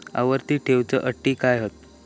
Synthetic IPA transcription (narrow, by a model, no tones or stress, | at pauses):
ə̰ʋəɾt̪iːʈʰewt͡səʔəʈːiːkajɦot̪